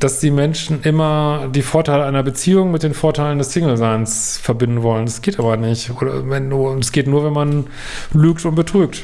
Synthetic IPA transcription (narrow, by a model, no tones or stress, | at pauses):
d̥asd̥iːmɛnʃn̩ʔɪmɐdiːfoːɐtʰaɪləaɪnɐbət͡siːʊŋmɪt̚d̥eːnfoːɐtʰaɪləndɛssɪŋl̩zaɪnsfɛɐbɪndn̩vɔləndasɡ̥eːtʔaːbɐnɪçtʔoːɐ̰vɛnːʊnsɡ̥eːtnuːɐvɛnman | lyːk̚tʊnt̚b̥ətʁ̥yːk̚t